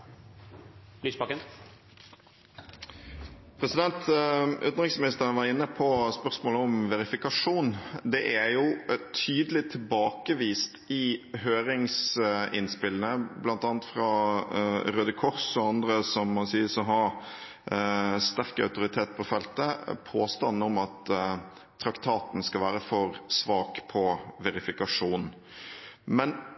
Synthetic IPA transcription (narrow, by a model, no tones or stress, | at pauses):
lyːspɑkːən | pʰɾɛsɪd̪ɛnt̪ʔʉ̰t̪nʁɪksmɪnɪst̪əʁənʋɑʁɪnːəpʰɔspœʁsmoːləɔmʋɛɾɪfɪkɑʂuːnd̪ɛʔæjʊt̪ʰyːd̪əlɪt̪ʰɪlbɑːkəʋiːst̪ɪhøːɾɪŋsɪnspɪlnəblɑnt̪ɑːnt̪fɾɑ | ɾøːd̪əkʰɔɾsɔɑnd̪ɾəsɔmːɑnsiːəsɔɦɑɾ | st̪æɾkɑ̰ʉt̪ʊɾɪt̪ʰeːt̪̚pʰɔfɛlt̪əpʰoːst̪ɑnːɔmɑt̪ʰː | ɾɑkt̪ʰɑːt̪n̩skɑlʋæːɾəfɔɾsʋɑːkpʰɔʋɛɾɪfɪkɑʂuːn | mɛn